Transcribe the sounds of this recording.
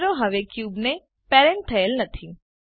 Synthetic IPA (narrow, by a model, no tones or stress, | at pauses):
ɾoɦəʋekjubne | peɾɛ̃ɳʈ̚t̪ʰəelnət̪ʰi